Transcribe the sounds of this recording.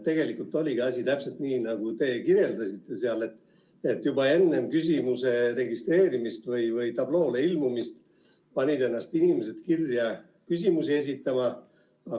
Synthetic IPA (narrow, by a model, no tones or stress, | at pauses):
t̪e̞ɡe̞likˑult̪ːˑo̞lʲiɡiɑsʲit̪æpse̞lt̪niːnɑɡ̥ut̪e̞ːkirjeld̪ɑsit̪ːˑe̞seɑle̞t̪ːˑ | et̪ːjubɑe̞nːe̞mkys̬ʲimuse̞re̞ɡist̪re̞ːɾimist̪vɯjvɯjt̪ɑb̥lo̞ːleilmumist̪ | pɑnʲid̪e̞nːɑst̪inimese̞t̪kirjɑ | kysʲimusie̞s̬ʲit̪ːˑɑmɑ | ɑ